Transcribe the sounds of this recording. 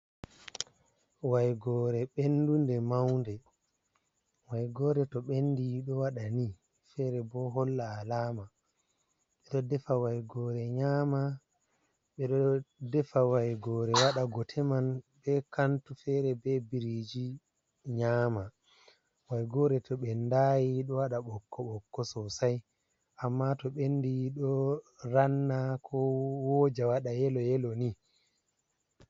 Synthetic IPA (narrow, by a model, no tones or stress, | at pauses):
wajɡɔːɾɛɓendundɛmawndɛ | wajɡɔːɾɛtɔɓenːdiɗɔwaɗani | fɛɾɛbɔɦɔlːaːlaːma | ɓɛɗɔdɛfawajɡɔɾɛɲaːma | ɓɛɗɔdɛfawajɡɔːɾɛwaɗaɡɔtʰɛmanbɛkantufɛɾɛbɛbiɾid͡ʒi | ɲaːma | wajɡɔːɾɛtʰɔɓɛndaːjiɗɔwaɗaɓɔkːɔɓɔkːɔsɔsaj | ʔamːatɔɓendiɗɔ | ɾanːakʰɔwɔd͡ʒawaɗajɛlɔjɛlɔni